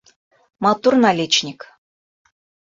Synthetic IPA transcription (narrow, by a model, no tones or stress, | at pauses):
mɑt̪urnalʲet͡ɕnʲik